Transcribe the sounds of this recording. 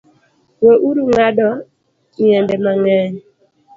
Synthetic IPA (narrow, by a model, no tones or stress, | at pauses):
woʔuɾuŋadɔ | iɛndɛmaŋɛɲ